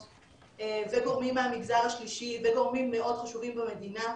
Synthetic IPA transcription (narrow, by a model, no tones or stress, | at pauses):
eveɡo̞ʁmimːeamiɡzaʁaʃliʃiveɡo̞ʁmimːeʔo̞dχaʃuvimbeme̞d̪ina